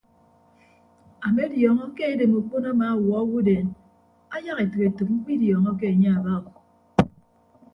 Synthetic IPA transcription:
a˨me˦djɔ˨ŋɔ˦ke˦e˦de˨mu˨k͡po˦na˦ma˨˦wɔ˨˦wu˦de˨n | a˦ja˦ɣe˨tɨ˨ke˨tu˨k̚m̩˦k͡pi˦djɔ˨ŋɔ˦k̬e˦e˨ɲe˦a˨ba˦ɣ

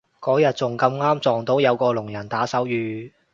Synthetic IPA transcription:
kɔː˨˥jɐ˨t̚t͡sʊ˨ŋkɐ˧mŋaː˥mt͡sɔː˨ŋt̪o˨˥wjɐ˨˧wkɔː˧lʊ˨˩ŋjɐ˨˩nt̪aː˨˥sɐ˨˥wjyː˨˧

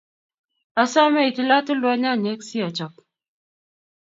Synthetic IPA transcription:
a˨sa˦ma˦i˨ti˨la˦tu˦lwa˦ɲa˦˨ɲɛ˨˦ksi˦a˨t͡ʃɔ˨k̚

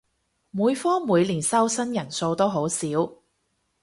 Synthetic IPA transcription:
muː˨˧˥jfɔː˥muː˨˧jliː˨˩nsɐ˥wsɐ˥njɐ˨˩nso˧wt̪o˥wɦo˨˥wsiː˨˥w

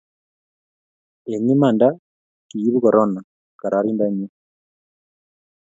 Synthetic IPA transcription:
e˨ɲi˦ma˨nda˦ | ki˨ji˦βu˦ko˨ɾo˦na˨ | ka˨ɾʔa˨ɾiː˦nda˦ɲi˦

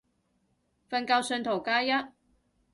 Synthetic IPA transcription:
fɐ˧nka˧wsœ˧nt̪ʰo˨˩wkaː˧jɐ˥t̚

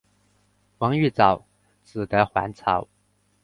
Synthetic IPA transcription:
wɑ˧˥ŋy˥˩t͡sɑ˨˩˦ʊ | t͡sɹ̩˨˩t̪ə˧˦˥xwa̰˧˥nt͡sʰɑ̰˨˩˦ʊ

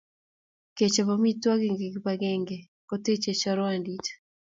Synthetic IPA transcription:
ke˨t͡ʃɔ˨pami˦twa˦ɡɛŋɡeɡpaɡɛ˦ŋɡe˨ | kote˦t͡ʃe˨t͡ʃɔ˦ɾɔ˦a˨ndi˦t

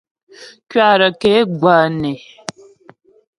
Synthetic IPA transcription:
kɥa˦˨ɾə˨ke˨˦ɡwa˨nɛ˨

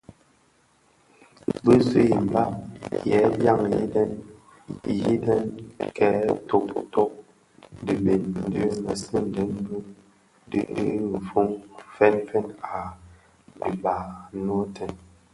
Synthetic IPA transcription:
bə˦sḛ˦˨m̩˨ba˦jɛ˨˦ja˦˨ŋjḭ˦dɛ˦n | ji˦dɛ˦nkɛ˨˦to˦ktɔ˦k̚ | di˨be˨n̩˦də˦mə˨sɨ˦n˨dɛ˨˦nnu˦ | dɨ̰˦d̰m̩˨fu˦ŋfɛ˦nfɛ˦na˨ | bi˨ba˨˦n˦o˦tɛ˨n

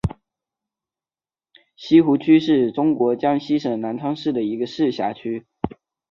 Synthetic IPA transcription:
ɕi˥xu˧˥t͡ɕʰy˥ʂɻ̩˥˩ʈ͡ʂʊ˥ŋkwɔ˧˥t͡ɕjɑ˥ŋɕi˥ʂɤ˨˩ŋna˧˥nʈ͡ʂʰɑ˥ŋʂɻ̩˥˩d̪ə˩i˧˥ɡə˧ʂɻ̩˥˩ɕja˧˥t͡ɕʰy˥

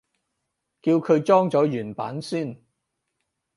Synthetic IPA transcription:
kiː˧wkʰɵ˨˧ɥt͡ʃɔː˥ŋt͡sɔː˨˥jyː˨˩npaː˨˥nsyː˥˩n

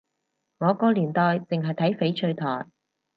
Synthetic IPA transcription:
ŋɔː˨˧kɔː˧liː˨˩nt̪ɔː˨jt͡sɪ˨ŋɦɐ˨jt̪ʰɐ˨˥jfe˨˥jt͡ʃʰɵ˧ɥt̪ʰɔː˨˩j

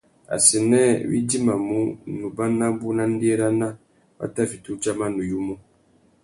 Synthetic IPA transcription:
a̰˨si˨nɛ˦˨wḭ˦d͡ʒi˦ma˨mu˦nu˨ba˦na˦bu˦na˦n̩˦di˦e˦ɾa˦na˦ | ba̰˦ta˦˨fi˨tu˦t͡ʃa˦ma˦nu˨ju˦mu˦

